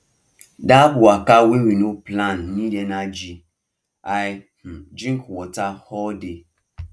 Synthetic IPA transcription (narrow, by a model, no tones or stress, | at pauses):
dabʊakawewinoplanːidenad͡ʒi | ai | m̩d͡ʒiŋ̩kwɔtahɔde